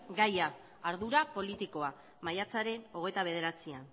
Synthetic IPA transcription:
ɡajaː | ɾðuɾapo̞lit̪iko̞a | majat͡saɾe̞no̞ɣe̞t̪aβe̞ð̞e̞ɾat͡sian

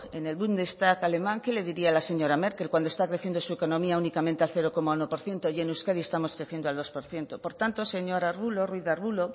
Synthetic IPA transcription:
ene̞lβund̪est̪akale̞mãŋke̞le̞ðiɾialase̞ɲo̞ɾame̞ɾke̞lkwand̪oest̪akɾeθje̞nd̪osueko̞nõmiaunikamẽnt̪ealθe̞ɾo̞ko̞maunopo̞ɾθje̞nt̪o̞je̞newskaðiest̪amo̞skɾeθje̞nd̪oald̪o̞spoɾθje̞nt̪opo̞ɾt̪ant̪o̞se̞ɲo̞ɾarβulorwiðarβulo

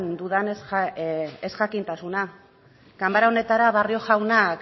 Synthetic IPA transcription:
nd̪uðanes | esʝakint̪asuna | kambaɾao̞ne̞t̪aɾaβario̞ʝawnak

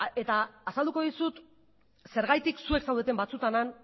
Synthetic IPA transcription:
e̞t̪aːsald̪uko̞ðisut̪ | se̞ɾɣajt̪iksue̞ksawðe̞t̪̬e̞mbat͡sut̪anan

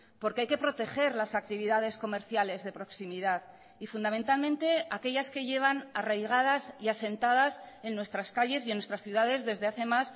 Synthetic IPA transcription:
po̞ɾkeajke̞pɾo̞t̪e̞xe̞ɾlasak̚t̪iβ̞iðað̞e̞sko̞me̞ɾθjale̞zðe̞pɾo̞ksimiðað | ifund̪amẽnt̪almẽnt̪e̞ake̞ʎaske̞ʝe̞β̞anarajɣ̞aðasiase̞nt̪að̞ase̞nːwe̞st̪ɾaskaʎe̞sjienːwe̞st̪ɾasθjuðaðe̞zðe̞zðe̞aθe̞mas

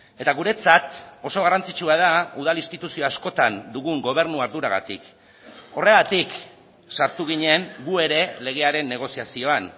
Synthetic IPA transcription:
e̞t̪aɣ̞uɾe̞t͡sat̪o̞so̞ɣ̞arant͡sit͡ʃuaðauð̞alinst̪it̪usio̞asko̞t̪and̪uɣuŋɡo̞β̞e̞ɾnuaɾðuɾaɣa̰t̪ḭk | o̞re̞ɣat̪ik | saɾt̪uɣ̞iɲe̞ŋɡue̞ɾe̞le̞ɣ̞e̞aɾe̞nːe̞ɣ̞o̞siasio̞an

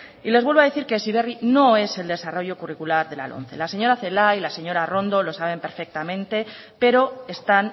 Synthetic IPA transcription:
ile̞zβwe̞lβoaðeθiɾke̞siβe̞rino̞e̞se̞ld̪esaro̞ʝo̞kurikulaɾðe̞la̰lʔo̞̰n̟θe̞̰lase̞ɲo̞ɾaθe̞lailase̞ɲo̞ɾaro̞nd̪o̞lo̞saβ̞e̞mpe̞ɾfe̞k̚t̪amẽ̞nt̪e̞ | pe̞ɾo̞e̞st̪an

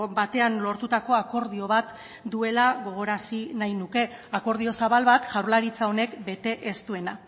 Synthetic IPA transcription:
bat̪e̞anlo̞ɾt̪ut̪ako̞ako̞ɾð̞io̞β̞at̪ | d̪ue̞laɣo̞ɣ̞o̞ɾasinajnuke̞ako̞ɾðio̞saβalβat̪ʝawɾlaɾit͡sao̞ne̞kbe̞t̪e̞ʔe̞st̪ue̞na

